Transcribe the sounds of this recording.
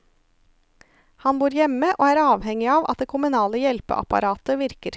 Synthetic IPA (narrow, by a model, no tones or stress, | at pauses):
hɑnbuːɾjɛməʔo̰ːæːɾɑːʋhɛŋɪɑːʋʔɑt̪̚d̪eːkʰʊmʉnɑːləjɛlpə̰ʔɑ̰pɑ̰ɾɑːt̪əʋɪɾkəɾ